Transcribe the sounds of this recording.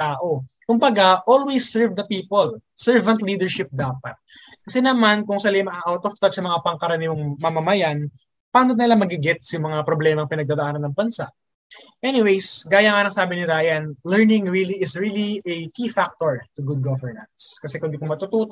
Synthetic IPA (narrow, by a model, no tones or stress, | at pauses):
t̪aːʔo̞kʊmbɐɡaʔolwejsːɛɹvd̪ɐpiːpolsɛɹvɐnt̪liːd̪ɛɹʃɪp̚d̪aːpɐt̪̚ | kɐsɛnɐmankʊŋsɐlɪmɐaʔawt̪oft̪ɐdsɐmɐŋapɐŋkɐɾɐniːoŋmɐmɐmɐjan | paːnonɪlamɐɡɪɡɪt̪̚sjʊŋmɐŋapɾoblɛːmɐŋpɪnɐɡ̚d̪aːd̪ɐʔaːnɐnːɐŋbɐnsa̰ʔ | ʔɛnɪwejsɡaːjɐŋanɐŋsaːbɪnɪɾaːjɐnlɛɹnɪ̃ŋɹiliɪsɹiliʔɐkifak̚t̪oɹt̪ʊɡud̪̚ɡɐvɛɹnɐnskɐsɛkʊnd̪ikʊŋmɐt̪ut̪uːt̪